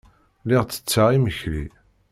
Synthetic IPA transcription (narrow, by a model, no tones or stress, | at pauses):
lɪʁt͡sːə̥t͡sːaiməçli